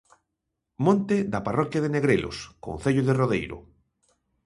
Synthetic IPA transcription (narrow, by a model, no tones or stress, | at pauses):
mõnt̪eðaparɔkjaðeneɣɾelʔo̰skõ̰nθeʎoðeroðejɾʊ̰